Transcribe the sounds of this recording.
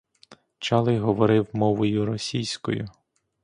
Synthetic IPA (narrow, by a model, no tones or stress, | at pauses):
t͡ʃɑlˠɪɦɔʋɔɾɪwmɔʋɔjʊɾɔsʲijsʲkɔ̰jʊ